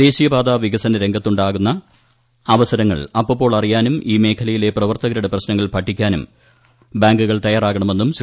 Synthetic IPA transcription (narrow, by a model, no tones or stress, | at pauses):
e̞ːɕijɐbaːd̪aːʋiɡɐsɐnɐɾe̞ŋɡʱɐt̪ːuɳɖaːɣunːɐː | ʋɐsɐɾɐŋːɐ̰ɭɐpːɐpːo̞ːɭɐrijaːnumʔiːme̞ːkʰɐlɐjile̞prɐʋɐrt̪ɐɣɐɾuɽeprɐɕnɐŋːɐɭpɐʈʰːikʲːaːnum | baːŋɡuɣɐɭt̪ɐjaːraːɣɐɳɐme̞nːums